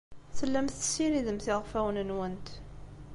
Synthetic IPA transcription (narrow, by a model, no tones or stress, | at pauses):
θəlːæmθə̥siɾiðəmθɪʁfæwənənwənt̪